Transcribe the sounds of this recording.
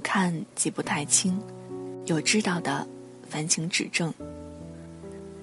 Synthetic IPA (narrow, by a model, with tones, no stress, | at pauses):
kʰa˥˧nt͡ɕi˧˩pu˧t̪ʰa˥˩ɪt͡ɕʰi˥ŋ | jo˨˩ʊʈ͡ʂɻ̩˥t̪ɑ˥˩ʊd̪ə̰˩ | fa˧˥nt͡ɕʰi˧˥ŋʈ͡ʂɻ̩˨˩ʈ͡ʂɤ˥˩ŋ